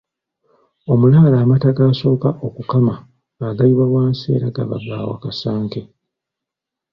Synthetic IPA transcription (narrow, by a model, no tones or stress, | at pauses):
o̞mulaːlaːmataɡaːso̞ːkaʔo̞kukama | aɡaiβawaːnse̞̰ːɾaɡa̰βa̰ɡa̰ːwa̰kasaːŋke